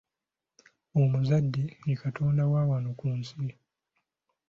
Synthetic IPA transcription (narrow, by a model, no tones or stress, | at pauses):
omuzadːiŋikatʰoːndawaːwanokuːnsi